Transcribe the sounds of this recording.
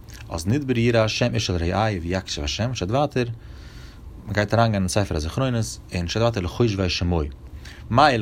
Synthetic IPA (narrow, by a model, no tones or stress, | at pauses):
ɔ̰snɪd̚bəɾjiːɾaʃɛmɪʃəlˠɾeɪʔaɪvijakʃəvaʃɛmʃaɪtvaːtʰəɾ | məɡaɪtaɾaːnɡaːnɪnt͡saɪfəɾazɪχɾoɪnəsɪnʃtatvaːtəɾləχoɪʃvaɪʃɪmoɪ | maɪ